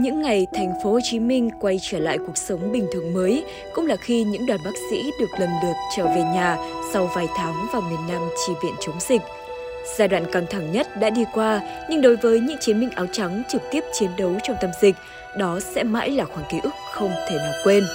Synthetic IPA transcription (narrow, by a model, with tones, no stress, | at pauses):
ɲɨ̰˧˥ŋːa˨˩jt̪ʰɛ˨˩jŋ̟fo˨˦ho˨˩t͡ɕi˨˦mï˧ŋ̟kwa˧jt͡ɕəː˧˩la̰ː˧˨jku˨˩ək̚sə˨˦wŋ͡mɓï˨˩ŋ̟t̪ʰɨ˨˩əŋməː˨˦j | kʊ̰˧˥ŋ͡mlaː˨˩xi˧ɲɨ̰˧˥ŋɗwaː˨˩nɓaː˦˥k̚sḭ˧˥ɗɨ˨˩ək̚lə˨˩mɗɨ˨˩ək̚t͡ɕəː˧˩ve˨˩ɲaː˨˩sa˧wvaː˨˩jt̪ʰaː˨˦ŋvaː˨˩wŋi˨˩ənːa˧mt͡ɕi˧˩vḭ˧˨ənt͡ɕə˨˦wŋ͡mzï˨˩k̟̚ | z̥aː˧ɗwa̰ː˧˨nkaː˧˩ŋt̪ʰa˧˩ŋɲə˦˥t̚ɗa̰ː˧˥ɗi˧kwaː˧ɲɨ˧ŋɗo˨˦jvəː˨˦jɲɨ̰˧˥ŋt͡ɕi˨˦ənmï˧ŋ̟ʔaː˨˦wt͡ɕa˨˦ŋt͡ɕɨ˨˩k̚t̪i˦˥əp̚t͡ɕi˨˦ənɗə˨˦wt͡ɕɔ˧ŋ͡mt̪ə˧mzï˨˩k̟̚ | ɗɔ˨˦sɛ̰˧˥ma̰ː˧˥jlaː˨˩xwaː˧˩ŋki˨˦ʔɨ˦˥k̚xə˧wŋ͡mt̪ʰe˧˩mə˨˩t̚kwe˧n